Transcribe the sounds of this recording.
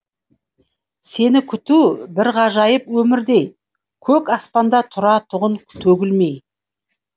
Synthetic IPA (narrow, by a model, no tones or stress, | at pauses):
se̞nɪkʲʰʏt̪ubɪɾʁɑʒɑjəpwɵmɪɾd̪e̞j | kʲʰɵkɑspɑnd̪ɑt̪ʰʊɾɑt̪ʰʊʁənt̪ʰɵɡʲɪlme̞j